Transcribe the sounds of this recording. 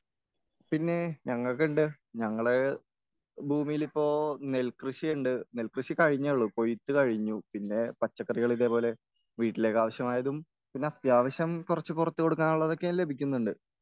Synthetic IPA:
pinːe̞ɲɐŋːɐɭkːeɳɖɨ | ɲɐŋːɐɭe | bʱuːmijilipːo̞ːne̞lkrɨɕijɐɳɖɨnelkrɨɕikɐɻiɲːɐɭːuko̞jit̪ːɨkɐɻiɲːupinːe̞pɐt͡ɕːɐkːɐriɣɐɭiðepo̞ːle̞ | ʋiːʈːile̞ːkːaːʋɐɕjɐmaːjɐðum | pinːe̞ɐt̪jaːʋɐɕjɐmkurɐt͡ɕːɨpurɐt̪ːuko̞ɽukːaːnuɭːɐðo̞kːejale̞bʱikʲːunːuɳɖɨ

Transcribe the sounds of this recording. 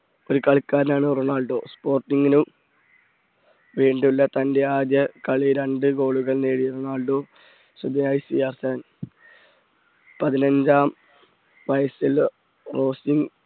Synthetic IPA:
o̞ɾukɐɭkːaːɾnaːɳɨroɳaːɭɖo̞ːspo̞ːrʈːiŋɡinu | ʋiːɳɖulːɐt̪ɐnde̞aːd̪jɐkɐɭiɾeɳɖɨɡo̞ːɭuɣɐɭneːɻiroɳaːɭɖoː | subeajsijaːrsɐn | pɐðinɐɲd͡ʑaːm | ʋɐjɐsil | ro̞ːsiŋɡ

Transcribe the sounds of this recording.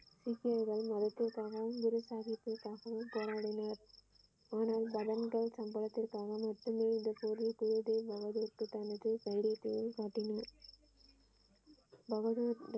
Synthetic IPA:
sɪkːɪɐɾɣɐɭmɐðɐt̪ːɪrkaːɣɐʋɯmɡʊɾɯsaːɣɪp̪ːɪrkaːɣɐʋɯmpoːɾaːɽɪnaːɾ | aːnaːlbɐðɐnɡɐɭsɐmbɐɭɐt̪ːɪrkaːɣɐmɐʈrɯmeːɪnd̪ɐpoːɾrikʊɾʊðeːbɐɣɐðuɾkɯt̪ɐnɐɯkɐɪɽɪɐt̪ːɪjɯlkaːʈːɪna | bɐɣɐðuːɾ

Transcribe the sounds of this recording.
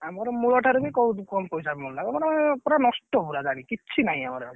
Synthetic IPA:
amɔɾɔmuɭɔʈʰaɾubikɔwkɔmpɔjsabimɔlnakɔmɔɾmɔɔpɔɾanɔsʈɔbuɾad͡ʒaɽ̃ĩkit͡ʃʰinaɦĩamɔɾe

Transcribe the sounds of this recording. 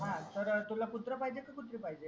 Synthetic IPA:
ɦãt̪əɾt̪ulaput̪ɾəpaɦid͡ʑekaput̪ɾipaɦid͡ʑe

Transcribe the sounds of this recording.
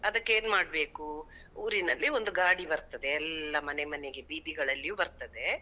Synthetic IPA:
ɐd̪ɐkːe̞ːnmaːɽbe̞ːku | uːɾinɐlːiond̪uɡaːɽibɐɾt̪ɐd̪e̞ɛlːɐmɐne̞mɐneɡe̞biːd̪iɡɐɭɐlːijuːbɐɾt̪ɐd̪e̞

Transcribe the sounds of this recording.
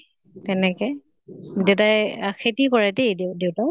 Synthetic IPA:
tɛnɛkɛ | dewtajxʰetikɔɹɛtejddewta

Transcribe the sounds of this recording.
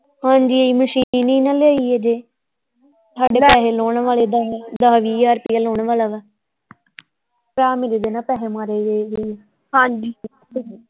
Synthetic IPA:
hãːɲd͡ʒiːeiːməʃiːniːnãːlaːiːɦɛːd͡ʒeː | t̪ʰaːɖeːpɛːɦeːloːɳʋaːleːd̪ad̪aːɦʋiːaːɾpiːaloːɳʋaːlaːʋɛː | pɾaːmeɾeːd̪enaːpɛːɦeːmaːɾeːɡeɡɛː | ɦãːɲd͡ʒiː

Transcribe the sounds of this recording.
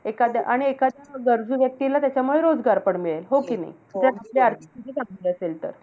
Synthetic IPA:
ekad̪ʱjaʔaɽ̃iekad̪ʱjaɡəɾd͡zuːʋjək̚t̪ilat̪jat͡ɕjamuɭeɾod͡zɡaɾpəɳmiɭelɦokiːna̰j | t̪atapleaɾt̪ʰikit̪it͡saŋliəselt̪ə̰ɾ

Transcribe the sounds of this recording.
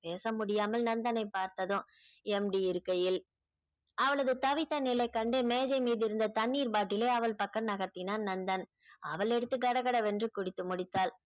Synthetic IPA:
peːsɐmʊɽɪjaːmɐlnɐnd̪ɐnɐɪpːaːɾt̪ɐðɯ̃ɛmɖiɪɾɯkːɐjɪl | ɐʋɐɭɐðɯt̪ɐʋɪt̪ːɐnɪlɐɪkːɐɳɖeːmeːd͡ʒɐɪmiːðɪɾɯnd̪ɐt̪ɐnːiːɾbaːʈːɪleːɐʋɐɭpɐkːɐnnɐɣɐt̪ːɪnaːnnɐnd̪ɐn | ʔɐʋɐɭɛɽɯt̪ːɯkːɐɽɐɣɐɽɐʋɛndrɯkʊɽɪt̪ːɯmʊɽɪt̪ːaːl

